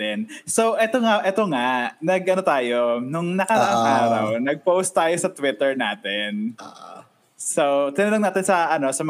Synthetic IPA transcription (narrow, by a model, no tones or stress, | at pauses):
ɛnsowʔɛt̪o̞ŋaʔɛt̪oŋanɐɡʔɐno̞t̪aːjonʊŋnɐkɐɾɐʔaŋʔaːɾɐwnɐɡ̚powst̪ːaːjosɐt̪wɪt̪ɛɹnaːt̪ɛn | sot̪ɪnɐnoŋnaːt̪ɪnsɐʔɐno̞sɐm